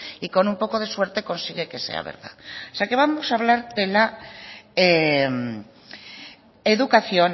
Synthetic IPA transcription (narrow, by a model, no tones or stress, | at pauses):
iko̞numpo̞ko̞ðe̞swe̞ɾt̪e̞ko̞nsiɣeke̞se̞̰a̰βḛɾða̰oseake̞βamo̞saβlaɾðe̞la | em | eðukaθjo̞n